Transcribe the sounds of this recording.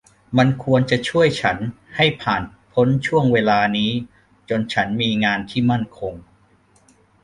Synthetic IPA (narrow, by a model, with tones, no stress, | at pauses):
ma˧nkʰu˧ənt͡ɕa˨˩t͡ɕʰu˥˩əjt͡ɕʰa˦˥n | ha˥˩jpʰaː˨˩n | pʰo˦˥nt͡ɕʰu˥˩əŋweː˧laː˧niː˦˥ | t͡ɕo˧nt͡ɕʰa˦˥nmiː˧ŋaː˧nt̪ʰiː˥˩ma˥˩nkʰo˧ŋ